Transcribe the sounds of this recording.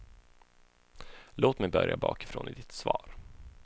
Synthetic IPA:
loːt̪mɛjbœɾjabɑ̰ːkɪ̥fɾoːnɪd̪ɪt̪svɑːɾ

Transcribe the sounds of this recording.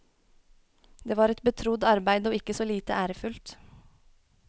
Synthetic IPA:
d̪eːʋɑːɾɛt̪bət̪ʰɾʊd̪ɑɾbæɪd̪əoːɪkːəsoːliːt̪əʔæːɾəfʉlt̪

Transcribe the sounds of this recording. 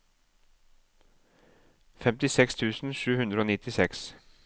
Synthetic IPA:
fɛmt̪ɪsɛkst̪ʰʉːsn̩ʃʉːhʉnd̪ɾəoːnɪt̪ɪsɛks

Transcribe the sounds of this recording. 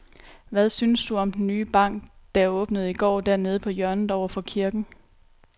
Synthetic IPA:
ʋæðˠsynəsd̥uɒ̽md̥ennyːb̥ɑ̈ŋ̰ɡ̥d̥ææɐɔ̽ːb̥nəð̞̩ˠiɡ̥ɒ̰ːd̥æɐne̝ð̞ˠpʰɒ̽jɶɐnð̩ˠɒʊ̰ɐfɒ̽kʰiɐɡ̥n̩

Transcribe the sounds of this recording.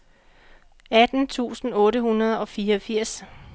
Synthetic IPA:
æd̥n̩t͡sʰṵːsn̩ɔ̽ːɾəhunɐð̞ˠɒ̽fiːɐɒfiɐ̰s

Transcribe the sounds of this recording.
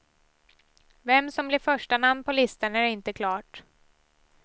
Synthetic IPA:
vɛmːsɔmblɪɾfœʂʈanamnpʰɔlɪst̪anæɾɪnt̪əkʰlɑːʈ

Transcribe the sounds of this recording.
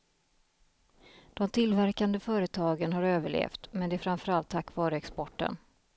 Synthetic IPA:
d̪̥ɔmt̪ʰɪlːvæɾkand̪əfœːɾət̪ʰɑːɡənaɾøːvəɭḛːft̪mɛnd̪ɛæɾfɾanfœɾalt̪ʰːakːvɑːɾəɛkspɔʈːə̰n

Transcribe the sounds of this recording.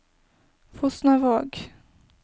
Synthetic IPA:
fʊsnavɑːɡ

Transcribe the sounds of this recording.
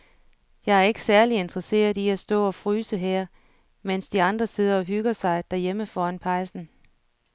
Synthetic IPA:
jɑ̈ɪæɐe̝ɡ̥ə̥sæɐlie̝nd̥ʁɐse̝̰ːɐiæsd̥ɔ̰̽ːɒ̽fʁyːsəɦæɐ̰ | men̰sd̥iɑ̈nd̥ʁɐse̝ð̞̰ˠɐɒ̽ɦyɡ̥ɐsɑ̈ɪd̥æɐjeməfɒːænpʰɑ̈ɪsn̩

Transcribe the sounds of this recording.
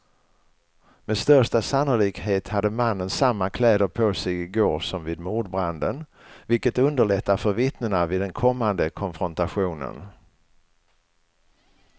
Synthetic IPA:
mɛd̪st̪œʂʈasanːʊliːkheːt̪had̪ːəmanːənsamːakʰlɛːd̪əɾpʰosɛjɪɡoːɾsɔmvɪːd̪muːɖbɾand̪ən | vɪlkət̪ɵnd̪əɭɛt̪ːaɾfœɾvɪt̪nəɳavɪːd̪ːɛnkʰɔmːand̪əkʰɔnfɾɔnt̪aɧuːnə̰n

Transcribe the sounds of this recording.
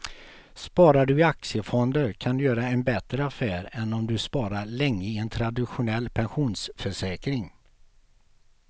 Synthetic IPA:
spɑːɾaɖɵɪaksɪəfɔnd̪əɾkʰand̪ɵjœːɾaɛnbɛt̪ɾəafæːɾɛnɔmd̪ɵspɑːɾaɾɭɛŋːəɪɛnt̪ʰɾad̪ɪɧʊnɛlːpʰɛnɧuːnsfœʂɛːkɾɪŋ

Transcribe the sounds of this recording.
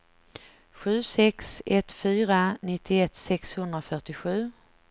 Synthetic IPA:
ɧʉ̟ːsɛksɛt̪fyːɾanɪt̪ʰːɪɛt̪sɛkshɵnd̪ɾafœʈɪɧʉ̟ː

